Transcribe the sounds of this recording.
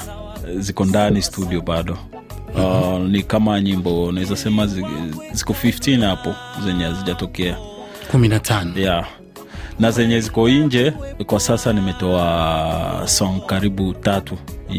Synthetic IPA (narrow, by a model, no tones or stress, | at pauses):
zikɔndanistuɗiɔɓaɗɔ | nikamaɲimbɔunaɛzasɛmazzi̥kɔfiftinhapɔ | zɛɲɛaziʄatɔkɛa | kuminatʰanɔja | nazɛɲɛzikɔiɲd͡ʒɛkwasasanimɛtɔa | sɔŋkaɾiɓutatu